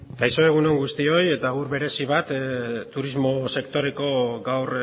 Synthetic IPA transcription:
ɡajso̞e̞ɣ̞uno̞ŋɡust̪io̞je̞t̪aɣuɾβe̞ɾe̞siβat̪t̪ːuɾizmo̞se̞kt̪o̞ɾe̞ko̞ɡawr

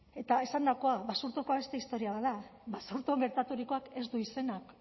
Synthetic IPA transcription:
e̞t̪ae̞sand̪ako̞aβasuɾt̪oko̞aβe̞st̪e̞ist̪o̞ɾiaβaðabasuɾt̪oŋɡe̞ɾt̪at̪uɾiko̞ake̞zd̪uise̞nak

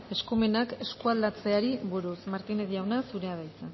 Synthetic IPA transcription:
e̞skume̞nake̞skuald̪at͡se̞aɾiβuɾusmaɾt̪ineðijawnasuɾe̞að̞ajt͡sa

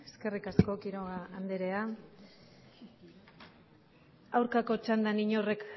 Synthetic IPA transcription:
eske̞rikasko̞kiɾo̞ɣaːnd̪eɾe̞a | awɾkako̞t͡ʃand̪aniɲo̞re̞k

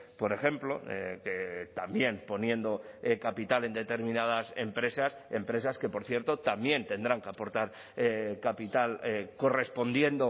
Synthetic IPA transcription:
po̞ɾe̞xe̞mplo̞ḛket̪ambje̞npo̞njẽ̞nd̪o̞kapit̪ale̞nd̪e̞t̪e̞ɾmĩnað̞ase̞̰mpɾe̞sase̞̰mpɾe̞saske̞po̞ɾθje̞ɾt̪ot̪amjẽ̞nt̪e̞nd̪ɾaŋkeapo̞ɾt̪aɾ | ekapit̪aleko̞re̞spo̞nd̪je̞nd̪o̞

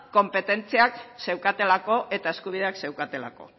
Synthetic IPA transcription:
ko̞mpe̞t̪e̞nt͡siakse̞wkat̪e̞lako̞ʔe̞t̪ae̞skuβ̞ið̞e̞akse̞wkat̪e̞la̰ko̞̰

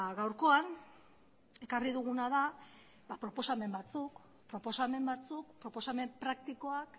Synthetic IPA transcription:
ɣawɾko̞an | e̞kariðuɣunaða | bapɾo̞po̞same̞mbat͡suk | pɾo̞po̞same̞mbat͡suk̚pɾo̞po̞same̞mpɾak̚t̪iko̞ak

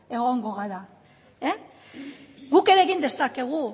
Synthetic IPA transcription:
e̞ɣo̞ŋɡo̞ɣaɾa | e | ɡuke̞ɾe̞ːɣind̪e̞sake̞ɣ̞u

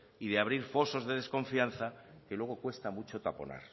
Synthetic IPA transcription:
iðeaβ̞ɾiɾfo̞so̞zðe̞ðe̞sko̞ɱfian̟θake̞lwe̞ɣ̞o̞kwe̞st̪amut͡ʃo̞t̪apo̞̰na̰ɾ

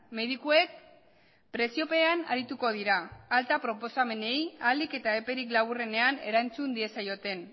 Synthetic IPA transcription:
me̞ðikue̞k̚ | pɾe̞sio̞pe̞ana̰ɾit̪uko̞ð̞iɾaːlt̪apɾo̞po̞same̞ne̞jalike̞t̪ae̞pe̞ɾiklaβ̞ure̞ne̞ane̞ɾant͡sund̪ie̞sajo̞t̪e̞n

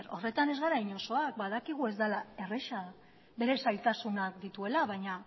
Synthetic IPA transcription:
ɾo̞re̞t̪ane̞zɣaɾajɲo̞so̞ak̚baðakiɣ̞ue̞zd̪alae̞re̞ʃa | be̞ɾe̞sajlt̪asunakd̪it̪ue̞laβaɲa

